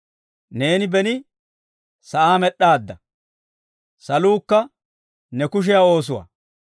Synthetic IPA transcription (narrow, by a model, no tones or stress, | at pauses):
ne̞ːnɪbɛnɪ | sɐʔaːmɛɗːaːd̪ːɐ | sɐluːkːɐ | nɛkʊʃ̬ɪjao̞ːs̬ʊwa̰ː